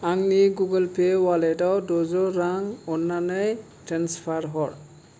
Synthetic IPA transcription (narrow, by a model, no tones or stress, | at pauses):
aŋniɡuɡəlpʰewalɛdawdɔzɔɾaŋɔnːanəj | tɾanspʰaɾɦɔɹ